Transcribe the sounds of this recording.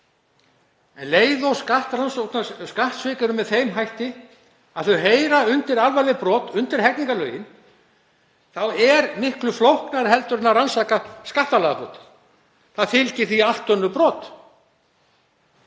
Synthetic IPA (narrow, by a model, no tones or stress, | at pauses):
ɛnleːjðowskaht̪ransowk̪naskaht̪svɪkaɾʏmɛðθejmɦajht̪ɪ | aðθœɥɦeːjɾaʏnt̪ɪɾalvajlɪpɾɔːt̪ʏnt̪ɪɾ̥ɦɛkniŋkalœːɥjɪn | θawɛɾmɪhklʏflowhknaɾhɦɛlt̪ʏɾɪnːaransaːkaskaht̪alaɣapɾɔ̰ːt̪ɪ̥ɾ̥ | θaðfɪlcɪɾ̥θial̥t̪œnːʏpɾɔːt̪